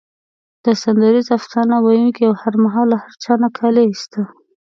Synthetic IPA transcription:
d̪̥əsand̪aɾizafsɑnawajunkiawhaɾmaɦɑlːahaɾt͡ʃɑnakʰɑlest̪a

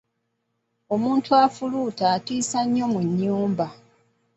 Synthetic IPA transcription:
o̞muːntʰuafuluːtaːtiːsaɲːo̞muɲːuːmba

